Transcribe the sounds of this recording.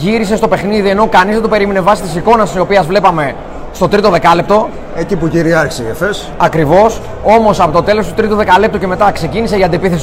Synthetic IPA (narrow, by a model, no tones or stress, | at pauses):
ʝiɾise̞st̪o̞pe̞xniðie̞no̞kɐnizðed̪ope̞ɾime̞nevɐsit̪isiko̞nɐst̪isio̞piɐzvle̞pɐme̞ | st̪o̞t̪ɾit̪oðe̞kɐlep̚t̪o̞ | ecipuʝiɾiɐɾçsiefes | ɐkɾivo̞s | o̞mo̞sɐpo̞t̪ot̪e̞lo̞st̪u̥t̪ɾit̪uðe̞kɐlep̚t̪uce̞me̞t̪ɐkse̞ciniseiɐnd̪iepiθes